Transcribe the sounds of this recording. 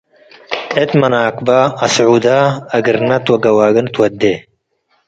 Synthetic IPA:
et̪mɐnaːkbaːɐsʕuːd̪aːɐɡɨɾnɐt̪wɐɡɐwaːɡɐnt̪wɐd̪e

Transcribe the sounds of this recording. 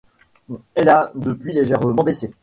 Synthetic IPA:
ɛlad̪əpɥileʒɛʁmɑ̃bese

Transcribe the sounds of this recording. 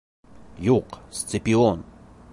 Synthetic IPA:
juqst̪sɪpʲion

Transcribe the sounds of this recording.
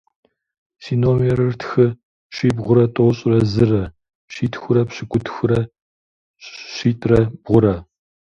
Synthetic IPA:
siːnomerɨrtʰxɨ | ɕiːbʁʷʊɾɐtʼoːɕʼɪrɐzɨrɐ | ɕiːtʰxʷʊɾɐpɕɪkʷʼʊtʰxʊɾɐ | ɕɕiːtʼrɐbʁʷʊɾɐ

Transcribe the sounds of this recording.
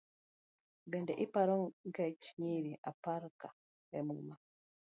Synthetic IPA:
bɛndɛʔipaɾɔŋɡat͡ʃɲiɾiʔapaɾka | ɛmuma

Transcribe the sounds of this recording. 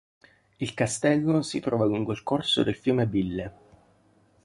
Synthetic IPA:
ilkast̪ɛlːosit̪ɾɔːvaluŋɡoilkorso̰d̪elfjuːmebilːe

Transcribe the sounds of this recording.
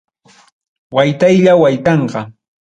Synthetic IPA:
wajt̪ajʎawajt̪ɑɴɢɑ

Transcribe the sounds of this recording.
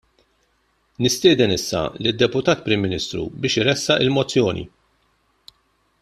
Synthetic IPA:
nɪst̪ɪːd̪ɛnɪsːɐ̰lɪd̪ːɛpʊt̪ɐːt̪pɾɪmːɪniːst̪ɾṵbɪːʃɪɾɛsːɐʔɪlmɔt͡sːjɔːnʔḭ

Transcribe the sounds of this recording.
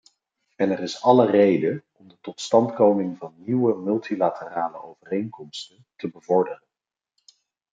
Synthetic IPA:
ɛnɛrɪsɑlərejdəɔmdətɔtstɑntkowmɪŋvɑnːiwəmɵlˠtilatʰəraːləowvərejŋkɔmstəntəbəvɔɹdərən

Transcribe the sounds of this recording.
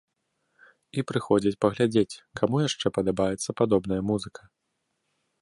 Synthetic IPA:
ipɾɨxɔd͡zʲɐt͡sʲpɐɣlʲad͡zʲet͡sʲkʰamujaʂt͡ʂɛpɐd̪abajɛt̪sːɐpad̪ɔbn̪ɐjɐmuzɨkʰɐ

